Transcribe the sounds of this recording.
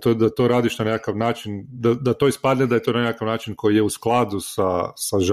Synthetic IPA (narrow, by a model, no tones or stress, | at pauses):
t̪od̪at̪o̞ɾaːd̪iʃnanekakaʋnaːt͡ʃind̪ad̪at̪o̞ːispad̪ned̪ajet̪o̞nanekakaʋnaːt͡ʃinkʰo̞jijeusklˠad̪usasaʒ